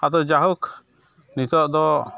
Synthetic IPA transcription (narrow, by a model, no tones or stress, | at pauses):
ad̪ɔd͡ʒaɦuk | nit̪ɔʔd̪ɔ